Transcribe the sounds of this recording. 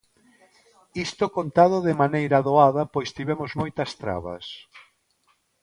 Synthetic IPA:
ist̪okont̪aðʊðɪmanejɾɐðoaðɐpojst̪iβɛmʊzmojt̪ɐst̪ɾa̰βɐ̰s

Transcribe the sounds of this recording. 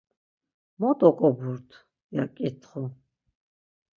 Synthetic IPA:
mɔt̪ɔkʼɔbuɾt̪ʰ | jakʼit̪ʰχɔ

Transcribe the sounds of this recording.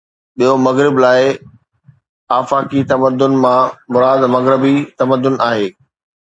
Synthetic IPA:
ɓijomɐɣɾɪblaːɪ | aːfaːkit̪ɐməd̪ːʊnmãmʊɾaːd̪mɐɣɾɪbit̪ɐməd̪ːʊnaːɦeː

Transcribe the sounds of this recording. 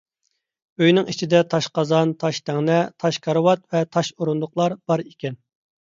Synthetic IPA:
øjnɪŋit͡ʃʰid̪ɛt̪ʰɑʃqɑzɑnt̪ʰɑʃt̪ʰæŋnɛt̪ʰɑʃkʰɑɾɨwɑt̪vɛt̪ʰɑʃuɾund̪ʊqlˠɑɾb̥ɑɾikʲɛn

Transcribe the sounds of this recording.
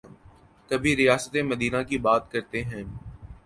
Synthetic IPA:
kɐbʱĩɾijaːsət̪emɐd̪iːnãkibaːt̪kɐɾt̪eɦɛ̃

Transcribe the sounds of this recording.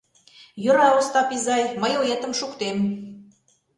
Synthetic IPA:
jŏɾɑost̪ɑpizɑjmə̆jojet̪ə̆mʃukt̪em

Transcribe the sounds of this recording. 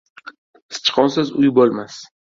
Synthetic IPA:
sɪ̥t͡ʃqʰɒnsazʊjbolˠmas

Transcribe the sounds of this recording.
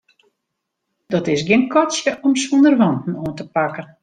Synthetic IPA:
d̥ɔtɪsɡjɪənkɔtsjəʔɔmsondərʋɔntn̩oəntəpakən

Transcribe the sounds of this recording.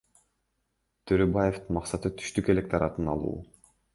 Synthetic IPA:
t̪ʰøɾøbaje̞ft̪ɯnmɑqsɑt̪ɯt̪ʰy̥ʃt̪yke̞lʲe̞k̚t̪ɑɾɑt̪ɯnɑ̰lˠṵː

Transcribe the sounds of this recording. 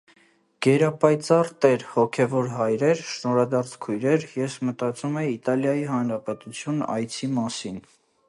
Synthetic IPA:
ɡ̥ɛɾɑpɑjt͡sɑrt̪ɛɾhɔkʰɛvɔɾɦɑjɾɛɾʃnɔɾɑd̪ɑɾt͡sʰkʰujɾɛɾjɛsmət̪ɑt͡sumɛit̪ɑljɑjiɦɑnɾɑpɛt̪ut͡sʰjunɑ̰jt͡sʰimɑsin

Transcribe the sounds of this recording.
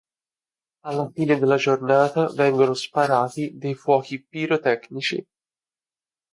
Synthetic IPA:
alːafiːned̪elːad͡ʒornaːt̪avɛŋɡonospaɾaːt̪id̪ejfwɔːkipiɾot̪ɛknit͡ʃḭ

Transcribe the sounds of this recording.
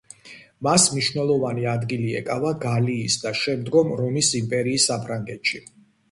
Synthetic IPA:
masmniʃwnɛlˠɔvaniad̪ɡiliɛ̰kʼavaɡaliːsd̪aʃɛmd̪ɡɔmɾɔmisimpʼɛɾiːsːapʰɾaŋɡɛt̪ʃi

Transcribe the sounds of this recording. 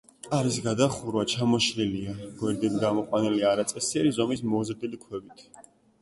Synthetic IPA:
aɾisɡad̪aχuɾvat͡ʃʰamɔʃliliaɡ̥wɛɾd̪ɛd̪ɡamɔqʼwaniliaɾat̪sʼɛsiaɾizɔmismɔzɾd̪ilikʰwɛbit̪ʰ

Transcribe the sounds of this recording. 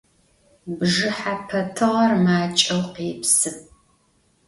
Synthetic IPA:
bʒɨħapʰɐtʰɨʁɐrmaːt͡ʃʼɐwqeːpsɨp

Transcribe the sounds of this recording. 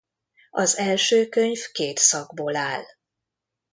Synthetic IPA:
ɒzɛlʃøːkøɲfkeːt̪sɒɡboːlaːl

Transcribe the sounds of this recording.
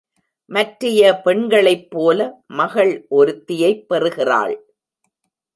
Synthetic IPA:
mɐʈrɪjɐpɛɳɡɐɭɐɪpːoːlɐmɐɣɐɭʔɔɾɯt̪ːɪjɐɪpːɛrɯɣɪra̰ːɭ

